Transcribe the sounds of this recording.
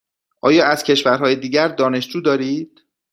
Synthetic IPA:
ʔɒːjɒːæz̥kcʰe̞ʃvæɾɦɒːjed̪iːɟæɾd̪ɒːne̞ʃd͡ʒuːd̪ɒːɾiːd̪̥

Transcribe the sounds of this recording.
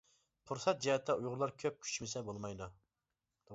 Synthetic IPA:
pʰuɾsɑt̪̚d͡ʒɛhɛt̪ʰːɛujʁʊɾlˠɑɾkʲʰøp̚kʲʰy̥t͡ʃmɪsɛbolˠmɑjd̪u | d̪

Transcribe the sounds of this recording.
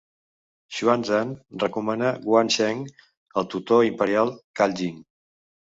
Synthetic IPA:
ʃuanzanrəkumanəɣwanʃɛŋ | əlˠt̪ut̪oimpəɾialˠkald͡ʒiŋ

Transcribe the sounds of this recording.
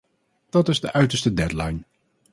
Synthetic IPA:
d̥ɑtɪzdəʔœɥtəɹstədɛdlɑjn

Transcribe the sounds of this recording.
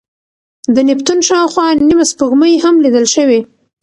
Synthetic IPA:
d̪ənɪpt̪unʃɑwxwɑnimaspəɣməjhamlid̪əlʃəwe

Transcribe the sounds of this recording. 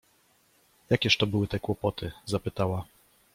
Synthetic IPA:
jakʲɛʂt̪ɔbɘwɘt̪ɛkwɔpɔt̪ʰɘzapɘt̪awa

